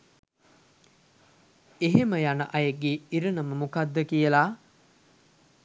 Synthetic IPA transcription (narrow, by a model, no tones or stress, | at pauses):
eɦeməjanəʔɐjəɡːeːiɾənəməmukad̪ːəkijəla